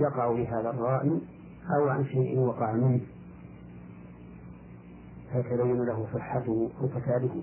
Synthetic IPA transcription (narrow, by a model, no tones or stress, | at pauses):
jɑqɑʕʊlɪɦaːðarˤːɑːʔi | ʔawʕa̰nʃajʔɪ̰nwɑqɑʕmɪnh | haːk̪alajːanalaɦʊfɑħɑt̪ʔawfak̪aːlʊh